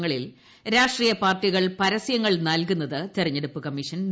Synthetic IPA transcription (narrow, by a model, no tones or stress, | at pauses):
ŋːɐɭil | ɾaːʂʈriːjɐpaːrʈːiɣɐɭpɐɾɐsjɐŋːɐɭnɐlkunːɐðɨt̪irɐɲːeɽupːɨkɐmːiʂɐnn